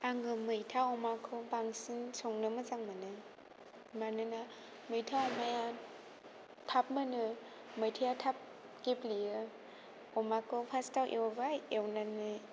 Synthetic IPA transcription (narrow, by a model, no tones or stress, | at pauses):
aŋɡɯmɯjtʰaɔmakʰɯwbaŋsinsɔŋnɯmɯzaŋmɯnɯ | manɯna | mɯjtʰaɔmaja | tʰap̚mɯnɯ | mɯjtʰajatʰap̚ | keplijɯ | ɔmakʰɯwpʰastawʔḛwbaewnanɯ